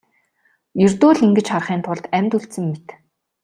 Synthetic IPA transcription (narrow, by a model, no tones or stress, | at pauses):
jɵrʲt̪ʊːɮiŋɡɘ̆t͡ɕχarχiːnt̪ʰʊɮt̪æmʲt̪uɬt̪sɘ̆ŋːet̪